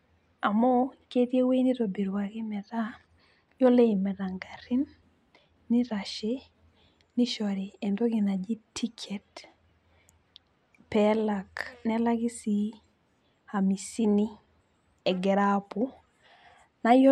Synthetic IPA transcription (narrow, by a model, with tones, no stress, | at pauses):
a˨mɔ˦ke˦tje˦we˦ni˦ɾo˨bi˨ɾwa˨kɪ˦mɛ˨da˦ | jo˦le˦i˨mɛ˨da˨ŋɡa˨ɾɪ˦nː | ɪ˦ɾa˨ʃe˦ | ni˦ʃɔ˨ɾi˨ɛ˨ndɔ˦ɡɪ˨na˨d͡ʒi˦tʰi˦kʰɛ˨t | pɛ˦la˨knɛ˦la˦ki˦si˦ | ha˨mi˨si˦ni˦ | ɛ˨ɡɛ˨ɾa˦pu˨ | na˨j